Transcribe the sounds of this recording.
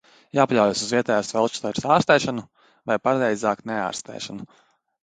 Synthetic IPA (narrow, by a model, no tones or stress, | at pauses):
jaːpalʲawjasuzviɛt̪ɛːjaːsvɛlˠt͡ʃst̪ɛɾsaːɾst̪ɛːʃanu | vajpaɾɾɛjzaːknɛa̰ːɾst̪ɛ̰ːʃanu